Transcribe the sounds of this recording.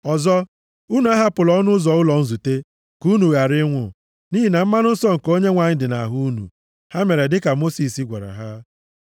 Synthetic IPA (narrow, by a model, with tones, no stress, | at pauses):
ɔ˨zɔ˦ | u˦nu˨˦a˦ɦa˦pʊ˨lɔ˦nʊ˦zɔ˨ʊ˦lɔ˨n̩˦zu˨te˦ | ku˦nu˨ɣa˨ɾɪ˦ŋʷʊ̰˨ | ni˦ɦi˦na˨m̩˦ma˦nʊ˦n̩˦sɔ˦ŋ̩˨ko˦ɲe˦ŋʷa˨ɲɪ˦dɪ˨na̰˨ɦu˦nṵ˨ | ha˦me˨ɾe˨dɪ˦ka˨mo˦si˨si˦ɡʷa˨ɾa̰˨ɦa˦